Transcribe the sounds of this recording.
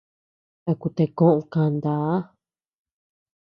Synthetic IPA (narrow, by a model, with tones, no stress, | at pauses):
t̪a˧ku˧t̪e˧kõ˦ʔõ˧kã˧nd̪aː˨˦